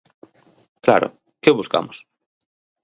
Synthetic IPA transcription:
kla̰ɾʊ̰ | kɪβuska̰mʊs

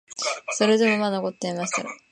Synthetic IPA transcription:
so̞ɾe̞d̪e̞mo̞manoko̞t̪ːeimaɕi̥t̪aɾa̰

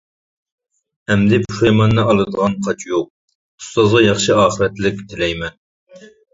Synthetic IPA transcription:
ɛmd̪ɪpʰu̥ʃjmɑnːɨɑlˠɨd̪əʁɑnqʰɑt͡ʃʰjoq̚ | ust̪ɑzʁɑjɑχʃɨɑːχəɾɛt̪lɪkʲt̪ʰɪlɛjmɛn

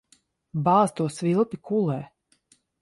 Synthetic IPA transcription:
bɑːst̪uɔsvilˠpikulɛː

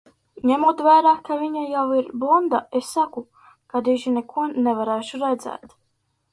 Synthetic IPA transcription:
ɲɛmuɔt̪væːɾaːkavʲiɲajawiɾbund̪aesːaku | kad̪iʒinɛkuɔnɛvaɾæːʃuɾɛd̪zɛ̰ːt̪

